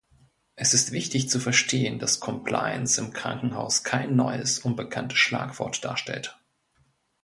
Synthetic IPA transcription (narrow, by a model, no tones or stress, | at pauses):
ʔɛsɪstv̥ɪçtɪçt͡sufɛɐʃtʰeːənd̥askʰɔmpʰl̥a̰ɪə̰nsɪmkʁ̥a̰ŋkŋ̩ɦa̰ʊskʰaɪnːɔ̰ʏəsʔʊnbəkʰantə̥sʃla̰ːkv̥ɔ̰ɐtd̥a̰ːɐʃtɛ̰lt